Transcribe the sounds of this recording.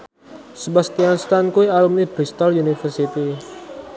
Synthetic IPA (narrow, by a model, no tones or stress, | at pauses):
səbast̪ianst̪ankuialumnibɾist̪alunifərsit̪i